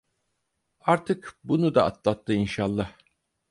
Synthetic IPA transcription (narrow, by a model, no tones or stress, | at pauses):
aɾt̪ʰɯkbunud̪aa̰t̪lˠat̪ʰːɯinʃalˠːah